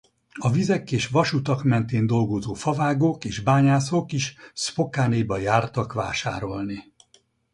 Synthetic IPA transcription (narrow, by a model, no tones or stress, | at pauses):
ɒvizɛkeːʃʋɒʃut̪ɒkmɛnt̪eːnd̪o̞lɡo̞zoːfɒvaːɡokeːʒbaːɲaːsokiʃspo̞kaːnejbɒjaːrt̪ɒkʋa̰ːʃa̰ːɾo̞lni